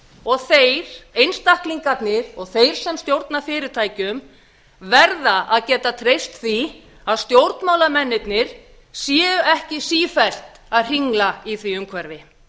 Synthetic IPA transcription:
ɔɣθejɾ̥ejnst̪ahkliŋkat̪nɪɾ̥ɔɣθejɾ̥sɛmst̪jowɾt̪nafɪːɾɪɾt̪ʰaːjcʏm | vɛɾðaʔaðcɛːt̪at̪ʰɾejst̪θi | aðst̪jowɾt̪nmaːwlamɛnːɪt̪nɪɾ̥ | sjɛːʏɛhcɪsiːfɛl̥t̪aðr̥iŋlaiθviʏmkʰvɛɾvɪ

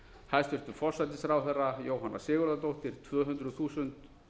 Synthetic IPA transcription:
hajst̪vɪɾ̥t̪ʏɾfɔr̥sajt̪ɪsɾaːwθɛrːajoːwɦanːa̰sɪːɣʏɾðat̪owht̪ɪɾ̥t̪ʰvœːɦʏnt̪ɾʏðθuːsʏnt̪

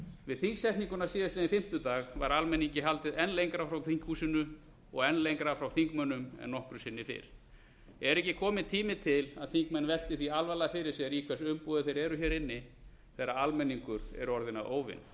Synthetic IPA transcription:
vɪðθiŋksɛh̪niŋkʏnasɪːðɪst̪lːnɪfɪm̥t̪ʏt̪aːɣvaɾalmɛniɲcɪɦalt̪ɪðɛnlejŋkɾafɾawθiŋ̥khuːsɪnʏ | ɔɣɛnːlejŋkɾafɾawθiŋkmœnːʏmɛ̰nːɔhkɾʏsɪnːɪfɪ̰ɾ̥ | ɛɾɛhcɪkʰɔːmɪðt̪ʰiːmɪt̪ʰɪlaðθiŋkmɛnvɛl̥t̪ɪθialvalaːðafɪɾɪɾ̥sjɛɾikʰɛsʏmpuðɪθejɾɛɾʏçɛɾɪnːɪ | θɛɾːaalmɛnːiŋkʏɾɛ̰ɾʏɔɾðɪna̰ðʔo̰ːwvɪ̰n

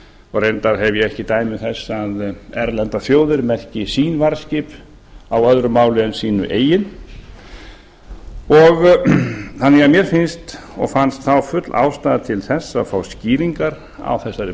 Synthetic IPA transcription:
ɔɣɾejnt̪aɾɦɛvjɛɛhcɪt̪aːjmɪθɛsːaðɛɾlɛnt̪aθjoːwðɪɾmɛhcɪsiːnvaɾ̥scɪp | awœðɾʏmaːwlɪʏnsiːnʏ̰ʔeːjɪn | ɔɣ | θanːɛɣamjɛɾ̥fɪnst̪ | ɔ̰ɣfanst̪θawfʏt̪lʔa̰ːwst̪aːðat̪ʰɪlθɛsːaðfawsciːɾiŋkaɾ | a̰wθɛsːaɾɪ

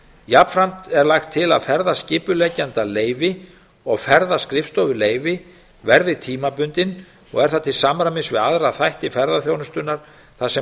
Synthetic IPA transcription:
japfɾam̥t̪ɛɾlaxt̪ʰːɪla̰ðfɛɾðascɪːpʏlɛcant̪aleːjvɪ | ɔɣfɛɾðaskɾɪfst̪ɔvʏleːjvɪ | vɛɾðɪt̪ʰiːmapʏnt̪ɪn | ɔ̰ɣɛɾ̥θat̪ʰɪlsamɾamɪnsvɪðaðɾaθajht̪ɪfɛɾðaθjownʏst̪ʏnːaɾ̥ | θasɛ

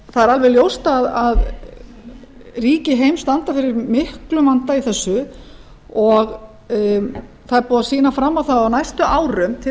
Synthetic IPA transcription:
θaðɛɾalvɛljowst̪aðað | riːcɪɦejmst̪ant̪afɪɾɪɾmɪhklʏmant̪aiθɛsːʏ | ɔɣ | θaðɛɾpuːðasiːnafɾamːawθawawnajst̪ʏʔaːwɾʏmt̪ʰɪ

